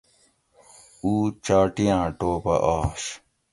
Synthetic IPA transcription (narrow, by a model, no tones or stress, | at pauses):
uːt͡ɕaːʈijãːʈoːpɐ̰ʔaːɕ